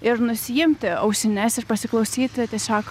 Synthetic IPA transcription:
ɛɾnəsjɛmt̪ɛɔsinɛsəɾpasiklˠɔsit̪ɛt̪ɛʃak

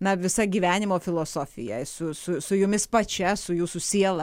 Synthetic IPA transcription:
nɐʋʲɪsɐɡʲiːʋʲæːnʲɪmoːfʲɪlˠoːsoːfʲɪ̰jɛsʊsʊsʊjʊmʲɪspɐt͡ʃʲɛsʊjuːsʊsʲiɛlˠɐ

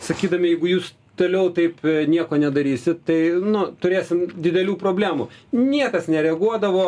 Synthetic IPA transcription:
sɐkʲiːd̪ɐmʲɪjɛɪɡʊjuːs | t̪oːlʲɛʊt̪ɐɪpnʲiɛkoːnʲɛd̪ɐɾʲiːsʲɪt̪t̪ɐɪnʊt̪ʊɾʲeːsʲɪmd̪ʲɪd̪ʲɛlʲuːpɾoːbʲlʲæːmṵnʲiɛkɐsnʲɛɾʲɛɐɡuɔd̪ɐʋoː

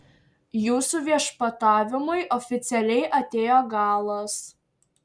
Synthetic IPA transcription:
juːsuʋʲiɛʃpɐt̪ɑːʋʲɪmʊɪʔɔfʲɪt̪sʲɛlʲɛɪʔɐt̪ʲeːjoːɡɑːlˠos

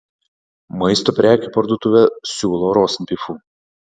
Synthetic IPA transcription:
mɐɪst̪oːpʲɾʲæːkʲuːpɐɾd̪uːt̪ʊʋʲɛsʲuːlˠoːɾɔːsʲnʲpʲiːfuː

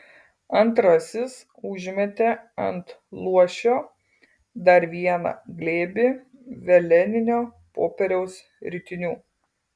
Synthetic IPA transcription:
ɐnˑt̪ɾɐsʲɪs | ʊʒʲmʲɛt̪ʲeɐ̰nt̪lˠuɔʃʲoː | d̪ɐɾʋʲiɛnɐ̰ɡlʲeːbʲɪʋʲɛlʲɛnʲɪnʲoː | poːpʲɛɾʲɛʊs | ɾʲɪt̪ʲɪnʲuː

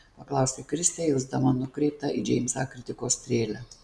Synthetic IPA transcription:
pɐklˠaʊsʲt̪ʲɛkɾʲɪsʲt̪ʲɛjzd̪ɐmɔnukɾʲep̚t̪aʔid͡ʒʲɛɪmsakɾʲɪt̪ʲɪkɔsʲt̪ʲɾʲeːlʲɛ

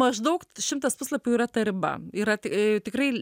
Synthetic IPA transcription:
mɐʒd̪ɐʊkʃʲɪmt̪ɐspʊslˠɐpʲʊiːɾɐt̪ɐɾʲɪbɐ̰iɾɐt̪ʲɪt̪ʲɪkɾɐɪ

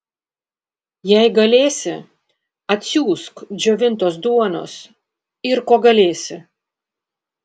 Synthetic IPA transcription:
jæjɡɐlʲeːsʲɪ̰ | ɐt̪ʲsʲuːskd͡ʒʲɔʋʲɪnt̪oːsd̪uɔno̰ːs | ɪɾkoːɡɐlʲeːsʲɪ

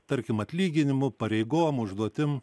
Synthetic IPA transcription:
t̪ɐɾʲkʲɪmɐt̪ʲlʲiːɡʲɪnʲɪmʊpɐɾʲɛɪɡoːmʊʒd̪uɔt̪ʲɪm

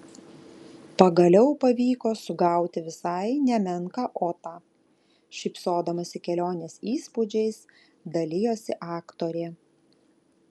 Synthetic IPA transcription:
pɐɡɐlʲɛʊpɐʋʲiːkoːsʊɡɐˑʊt̪ʲɪʋʲɪsɐɪnʲɛmʲɛŋkɑʔɔːt̪ɑː | ʃʲɪɪpsoːd̪ɐmɐsʲɪkʲɛlʲoːnʲeːsiːspʊd͡ʒʲɛɪs | d̪ɐlʲɪjoːsʲɪʔɑːkt̪oːɾʲeː

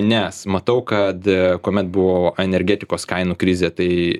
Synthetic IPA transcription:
nʲɛsmɐt̪ɐʊkɐt̪kuɔmʲɛt̪̚bʊʋoːɛnʲɛɾʲɡʲæːt̪ʲɪkoːskɐɪnuːkɾʲɪzʲeːt̪ɐɪ

